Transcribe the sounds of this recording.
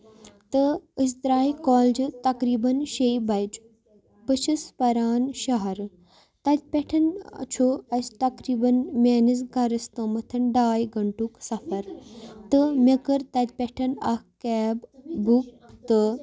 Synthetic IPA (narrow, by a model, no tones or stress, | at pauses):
t̪əisd̪ɾaːikɔːld͡ʒɨt̪ɐkɾiːbɐnʃejbɐjd͡ʒ | pəʃispɐɾaːnʃɐɦɐɾ | t̪ɐt̪ʲpʲɛʈʰɐn̰t͡ʃʰoɐst̪ɐkɾiːbɐnmʲeːnis̬ɡaɾɐst̪əmɐt̪ʰɐnɖaːjɡɐɳʈuksɐfɐɾt̪əmʲɐkəɾt̪ɐt̪̚ʲpʲɛʈʰɐnɐkkɛːbbuk̚ | t̪ɨ